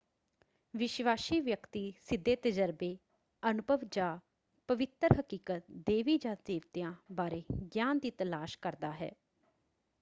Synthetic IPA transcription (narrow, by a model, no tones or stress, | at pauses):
ʋɪʃʋaːʃiːʋjəkt̪iːsɪd̪ːeːt̪əd͡ʒəɾbeː | ənʊbʱəʋd͡ʒaː | pəʋɪt̪ɾɦəkiːkət̪̚d̪eːʋiːd͡ʒãːd̪eːʋt̪ɪjãːbaːɾeːɡjaːnd̪iːt̪əlaːʃkəɾd̪aːɦɛ̰ː